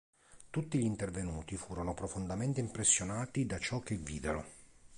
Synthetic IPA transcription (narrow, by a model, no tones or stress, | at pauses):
t̪ut̪ːiʎint̪ervenuːt̪ifuːɾonopɾofond̪ament̪eimpɾesːjonaːt̪id̪at͡ʃɔk̟ːevːiːd̪eɾo̰